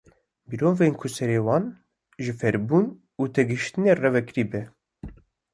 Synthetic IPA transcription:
biɾoːnveːnkʰʊsɛɾeːwɑːn | ʒɨfɛɾbuːn | uːt̪ʰɛɡɨʃt̪ɨneːrɛvɛkɾiːbɛ

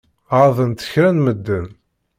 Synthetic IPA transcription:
aðˤənt̪ə̥çɾænməd̪ːən

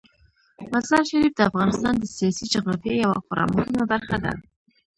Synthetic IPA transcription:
mazɑɾʃaɾifd̪əafɣɑnɪst̪ɑnd̪əsijɑsid͡ʒaɣɾɑfjajawa̰xʊɾɑ̰mɑhimab̪aɾxad̪a̰

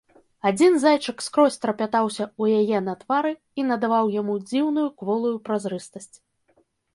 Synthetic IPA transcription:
ad͡zʲinzajt͡ʂɨkskɾɔsʲt̪ɾɐpʲat̪awsʲɐujajɛnɐt̪vaɾɨ | inɐd̪avawjamud͡zʲiwnujukvɔlˠujupɾazɾɨst̪ɐsʲt͡sʲ

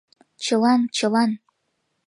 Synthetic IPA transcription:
t͡ɕəlɑnt͡ɕəlɑn

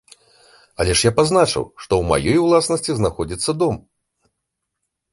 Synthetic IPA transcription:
ɐlʲɛʂjapaznat͡ʂɐ̰wʂt̪ɔwma̰jɔjwlˠasnɐsʲt͡sʲiznaxɔd͡zʲit̪sːɐd̪ɔm

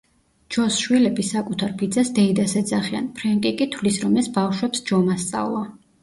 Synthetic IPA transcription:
d͡ʒɔsʃwilɛbisakʼut̪ʰaɾpid̪zasd̪ɛid̪asɛd̪zaχia̰npʰɾɛŋkʼikʼit̪ʰvlisɾɔmɛsbafʃwɛpsd͡ʒɔmast̪sʼa̰vlˠɔ

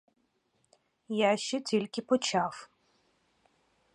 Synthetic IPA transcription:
jaʃt͡ʃɛtʲilʲkʲɪpɔt͡ʃaw

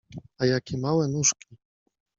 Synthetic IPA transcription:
ajakʲɛmawɛnuʂkʲi

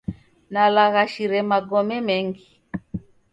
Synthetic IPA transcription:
nalaɣaʃiɾɛmaɡɔmɛmɛŋɡi

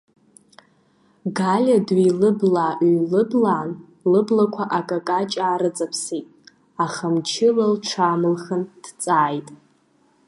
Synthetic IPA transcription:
ɡalʲadɥilɨblaːʔlɨblaːn | lɨblakʷʰaʔakʼakʼat͡ʃʼaːɾɨt͡sʼapʰsijtʼ | aχəmt͡ʃʰɪlalʈ͡ʂʷʰamɨlχənd̥t͡sʼaːjtʼ

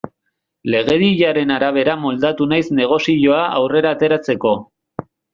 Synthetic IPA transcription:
le̞ɣ̞e̞ðiʎaɾe̞naɾaβ̞e̞ɾamo̞ld̪at̪unajzne̞ɣ̞o̞siʎo̞aʔawre̞ɾaːt̪e̞ɾat͡se̞ko̞

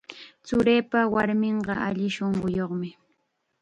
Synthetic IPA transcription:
t͡sʊɾeːpawaɾmɪɴɢɑa̰ʎɪʃoɴɢʊjoχmɪ

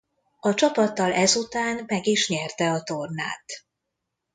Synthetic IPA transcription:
ɒt͡ʃɒpɒt̪ːɒlɛzut̪aːnmɛɡiʃɲɛrt̪ɛɒt̪o̞rna̰ːt̪

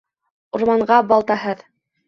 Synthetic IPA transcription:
uɾmɑɴɢɑbɑlˠt̪ɑhɤð

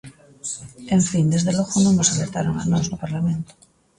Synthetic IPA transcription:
ẽɱfind̪ezðeloɣonõnosaleɾt̪aɾoŋa̰noznopaɾlamẽnt̪o̥

